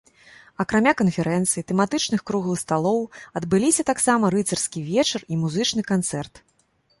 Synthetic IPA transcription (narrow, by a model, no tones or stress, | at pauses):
ɐkɾamʲakɐnfʲɛɾɛnt̪sɨjit̪ɛmat̪ɨt͡ʂnɨxkɾuɣlˠɨxst̪alˠɔwɐd̪bɨlʲisʲɐt̪aksamɐɾɨt̪sɐrskʲivʲɛt͡ʂɐrimuzɨt͡ʂnɨkant̪sɛrt̪